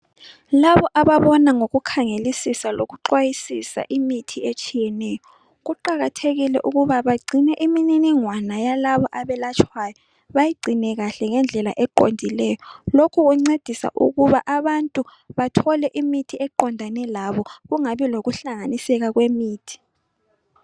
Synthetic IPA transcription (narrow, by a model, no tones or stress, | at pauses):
laβɔʔaβaβɔnaŋoɣukʰaŋelisisaloɣuǃwajisisa̰ʔimitʰiet͡ʃʰʼijɛnɛːjɔ | ɣuǃaɣatʰeɣilɛ̰ʔuɣuβaβaɡ͡ǀʱinɛʔimininiŋwanajalaβɔʔaβɛlat͡ʃʰwajɔ | βajiɡ͡ǀʱinɛɣaɬɛŋɛnd͡ɮʱɛla̰ʔɛǃo̰ndʱilɛːjɔlokʰuɣuŋ͡ǀed̥ʱisa̰ʔṵɣuβaʔaβantʼu | βatʰɔlɛʔimitʰiɛǃɔndʱanɛlaβɔɣuŋaβiloɣuɬaŋanisɛɣaɣwemiːtʰi̥